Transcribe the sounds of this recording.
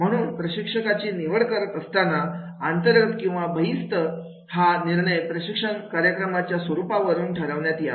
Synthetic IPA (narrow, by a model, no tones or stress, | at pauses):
m̤əɽ̃uːnpɾəɕikʂəkat͡ɕiːniʋəɭkəɾət̪əst̪ana | ant̪əɾɡət̪kĩw̃ʋabʱəɦist̪ə | haniɾɳəjpɾəɕikʂənkaɾjəkɾəmat͡ɕjasʋəɾupaʋəɾuːnʈʰəɾaʋɳjat̪ia